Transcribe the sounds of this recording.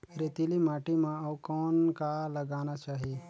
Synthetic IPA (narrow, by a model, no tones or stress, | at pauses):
ɾet̪ilimaːʈimãɔkɔːnkaləɡaːnat͡ʃaːɦie